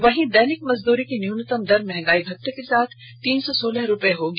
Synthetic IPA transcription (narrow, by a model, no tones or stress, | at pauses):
ʋɐɦĩd̪ɛːnɪkmɐzd̪uːɾikinjuːnət̪əmd̪ɐɾmɛɦŋɡaːibʱɐk̚ʈekesaːt̪ʰ | t̪iːnsɔsoːləɦɾʊpeɦoːɡ